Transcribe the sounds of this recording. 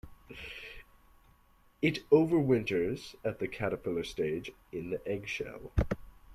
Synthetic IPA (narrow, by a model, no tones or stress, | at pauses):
ɨɾoʊvə˞wɪ̃ntə˞z̥ɨt̪̚ðɨkʰæɾɨpʰɪlˠə˞steɪd͡ʒ | ɪ̃nðiʔɛɡʃɛ̰lˠ